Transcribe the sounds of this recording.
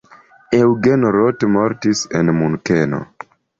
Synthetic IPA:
ewɡenoɾotmoɾtisenmunkeno̰

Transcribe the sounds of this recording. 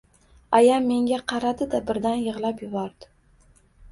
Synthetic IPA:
ajamːe̞ŋɡʲaqʰɑɾad̪ɪd̪abɪɾd̪anjɨʁlˠapjʊbɒɾd̪̥ɪ

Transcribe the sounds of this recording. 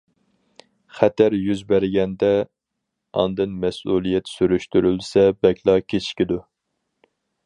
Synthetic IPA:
χɛt̪ʰæɾjyzbæɾɪɡʲɛnd̪ɛ | ɑ̰nd̪ɨnmɛsulˠijɛt̪syɾyʃt̪yɾylsɛbɛkʲlˠɑkʲʰet͡ʃʰkʲid̪u

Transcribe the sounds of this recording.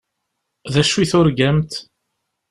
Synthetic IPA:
ðæʃwiθʊɾɡæmt̪

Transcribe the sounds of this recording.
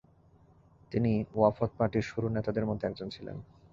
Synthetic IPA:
t̪iniafot̪̚paɾʈiɾʃuɾunet̪ad̪eɾmod̪ʱeɛk̚d͡ʑont͡ɕʰilḛn

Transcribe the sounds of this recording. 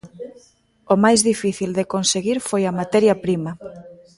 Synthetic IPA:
omajzðifiθild̪ekonseɣiɾfojɐmat̪ɛɾjɐpɾimɐ

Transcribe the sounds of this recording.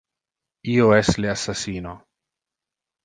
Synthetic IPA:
ioɛsleasasiːno

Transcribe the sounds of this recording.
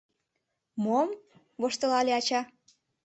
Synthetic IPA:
mom | βoʃt̪ɤ̆lɑlʲeɑt͡ɕɑ

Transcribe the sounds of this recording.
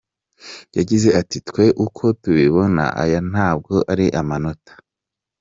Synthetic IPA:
jaɟize̞atitkwe̞ʔukʰo̞tuβiβo̞na̰ʔa̰jan̥aːb̚ɡo̞ʔaɾiʔamano̞tḁ

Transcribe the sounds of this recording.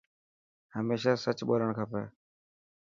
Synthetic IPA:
həmeːʃaːsət͡ʃɓoːɾəɳkʰəpḛː

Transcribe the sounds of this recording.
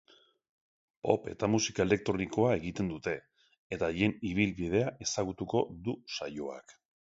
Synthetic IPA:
po̞̰pe̞̰t̪amusikae̞le̞k̚t̪ɾo̞niko̞ae̞ɣit̪e̞nd̪ut̪e̞ː | t̪aje̞niβ̞ilβið̞e̞aʔe̞saɣ̞ut̪uko̞ðusajo̞a̰k

